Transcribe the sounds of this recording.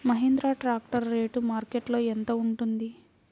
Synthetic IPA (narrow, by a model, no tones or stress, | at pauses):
mɐɦend̪ɾaːʈɾaːk̚ʈɐɾːe̞ːʈumaːɾkeʈlo̞ːent̪oːuɳʈund̪i